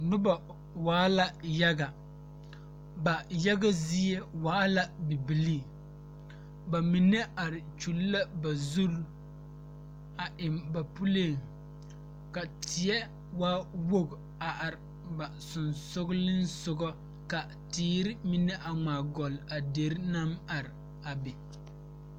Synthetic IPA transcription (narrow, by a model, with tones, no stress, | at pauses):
nʊ˦ba˨ | waː˨˦la˨ja˦ɡa˨ | ba˨ja˦ɡa˦zi˦ɛ˦waː˨˦la˦bi˨bi˨li˦ | ba˨mi˨nɛ˦a˨ɾɪ˨t͡ʃu˨lːa˦ba˨zu˦l | a˨ʔɪ˨mba˨pu˦le˦˨ŋ | ka˨tʰɪ˨ɛ˦ | waː˦wo˦ɡ | a˨ʔa˨ɾ | ba˨sʊ˨nsʊ˦ɡlɪ˦n˦sʊ˨ɡɔ˦ | ka˨ | tiː˨˦ɾɪ˦mi˨nɛ˦ʔa˨ŋ͡maː˨ɡɔ˨la˨de˨ɾna˦ma˨ɾɪ˨ | a˨bɛ˨